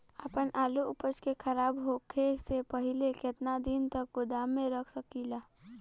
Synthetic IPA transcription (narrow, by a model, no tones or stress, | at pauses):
əpənʔaːluʊpət͡ʃkekʰəɾaːbɦokʰesepəɦɪleket̪nad̪int̪ək̚ɡʊd̪amːẽɾəkʰsəkilaː